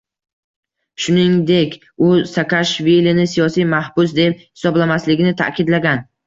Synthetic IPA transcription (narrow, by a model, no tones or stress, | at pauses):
ʃʊnɪŋd̪e̞kʲ | ʊsakʰaʃvilinɪsijɒsijmahbʊs̬d̪ep̚hɪ̥sɒblamaslɪɡʲɪnɪt̪ʰa̰kʲʰɪd̪laɡʲan